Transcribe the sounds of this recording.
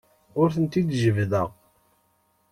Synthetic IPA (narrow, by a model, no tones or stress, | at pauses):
ʊɾθənt̪id̪ʒəvðəʁ